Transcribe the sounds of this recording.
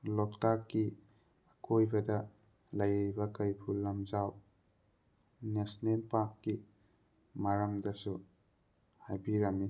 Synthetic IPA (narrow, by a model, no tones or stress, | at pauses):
lɔk̚takːi | akojbɐdɐ | lɐjjbɐkɐjpʰulːɐmzaw | nesnelpakːi | maɾɐmdɐsu | hajbiɾami